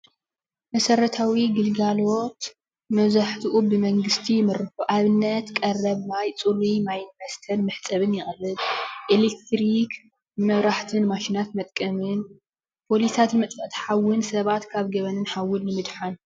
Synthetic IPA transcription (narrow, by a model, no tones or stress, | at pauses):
mɐsɐɾɐt̪ʰawiɡɨlɡalot̪ | mɐβzaħt̪ʰiʔubɨmɐŋɡɨst̪ʰijɪmɨrɨħuʔaβɨnːɐt̪kʼɐrɐβmajt͡sʼuɾimajnbɐst̪ʰɐnmɨħt͡sʼɐβɨnjɪχʼlɨlʔelekt̪ɾik | mɐβɾaħt̪ʰɨnmaʃinat̪mɐt̪ʼkʼɐmɨn | pʰo̞lisat̪mɐt͡s̪ʼɐʔt̪ʰi̥ħawɨnsɐβat̪kʰaβɡɐβɐnɨnħawːɨlːɨmɨd̪ħan